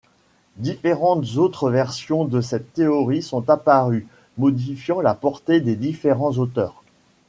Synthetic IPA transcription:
d̪ifeʁɑ̃t̪zot̪χəvɛʁsjɔ̃d̪əsɛt̪ːeɔʁisɔ̃t̪apaʁy | mɔd̪ifjɑ̃lapɔʁt̪ed̪ed̪ifeʁɑ̃zot̪œːʁ

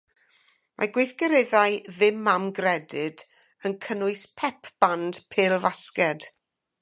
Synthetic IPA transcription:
mʔa̰ɡwejθɡ̥əɾɪðajðɪmːamɡrɛdɪd | ənkʰənʊɨspʰɛpʰb̥and̥pʰeːlˠvaskɛd̥

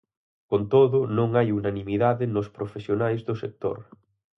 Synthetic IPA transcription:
kont̪oðʊnõŋajunanĩmiðaðɪnʊspɾofesjonajzðʊsek̚t̪o̰ɾ

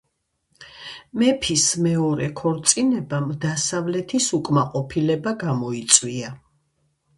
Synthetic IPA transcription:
mɛpʰismɛɔɾɛkʰɔɾt̪sʼinɛbamd̪asavlɛt̪ʰisukʼmaqʼɔpʰilɛbaɡamɔit̪sʼwia

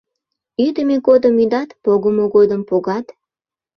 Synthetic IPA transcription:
yd̪əmeɡod̪əmyd̪ɑt̪poɣəmoɣod̪əmpoɣɑt̪

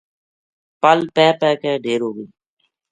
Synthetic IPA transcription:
pəlpɛːpɛːkɛ̃ːɖeːɾoːɡiː

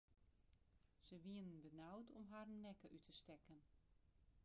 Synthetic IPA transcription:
z̥əʋiənənbənawtʰɔmɦaːrənnɛkəʔytʰəstɛkən

